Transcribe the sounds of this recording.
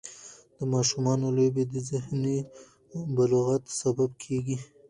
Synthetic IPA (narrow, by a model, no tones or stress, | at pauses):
d̪̥əmɑʃumɑnolobed̪əzɪhni | baloɣat̪sababkʰeɡi